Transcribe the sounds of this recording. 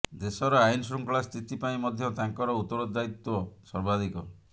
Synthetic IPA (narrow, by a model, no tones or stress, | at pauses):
d̪esɔɾɔainsɾuŋklɭast̪ʰit̪ipaĩmɔd̪ʱjɔt̪aŋkɔɾɔut̪ːɔɾɔd̪ait̪wɔsɔɾbad̪ikɔ